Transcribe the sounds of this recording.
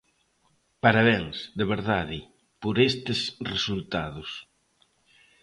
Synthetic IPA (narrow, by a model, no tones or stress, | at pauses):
paɾaβeŋsd̪eβeɾðaðɪ | poɾest̪esresult̪aðʊs